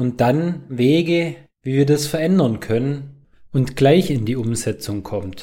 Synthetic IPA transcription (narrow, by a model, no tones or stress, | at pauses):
ʊnt̚d̥anveːɡə | viːviːɐdasfɛɐʔɛndɐnkʰœnən | ʔʊntɡ̥laɪçɪndiːʊmzɛt͡sʊŋkʰɔmt